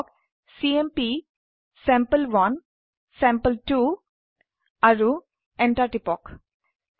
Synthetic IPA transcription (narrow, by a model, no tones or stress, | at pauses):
k | siempi | sɛmpəlʋɐn | sɛ̃mpəlʈu | ɐɾu | eɳʈaʈipɔk